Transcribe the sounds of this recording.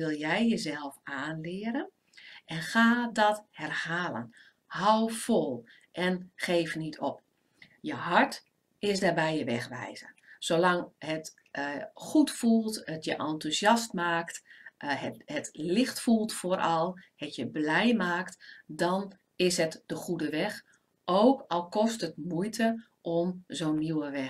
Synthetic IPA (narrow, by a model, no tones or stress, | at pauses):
ɪlˠjɛjjəzɛlˠfaːnlɪːəɾən | ʔɛnxaːdɔthɛrhaːlə̰n | hawfolˠ | ʔɛnχeːfnitʰɔp̚ | jəhɑɹt | ɪsdaːbɛjəʋɛxʋɛ̰jzə̰soːlɑŋhət | xutfulˠtətʰjəʔɔntuzjɑstmaːkt | hətlɪxtfulˠtfoɾʔɔlˠhətʰjəblɛjmaːktdɔn | ɪsɦətd̥əχudəʋɛx | ʔowkɔlˠkɔstətmujtʰə | ʔɔmzoːnːiwəʋɛ